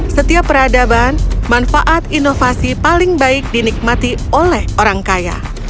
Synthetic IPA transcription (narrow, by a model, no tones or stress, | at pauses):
sət̪iapːəɾadabanmanfaʔat̪inofasipalɪŋbaɪk̚dinik̚mat̪iolɛhoɾaŋkaja̰